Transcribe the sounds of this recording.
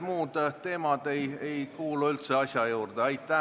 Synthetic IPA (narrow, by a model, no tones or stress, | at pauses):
muːd̪̥t̪e̞ːmɑd̪̥e̞jejkuːluylt̪se̞ɑsjɑjuːrd̪̥eɑjt̪ːˑæ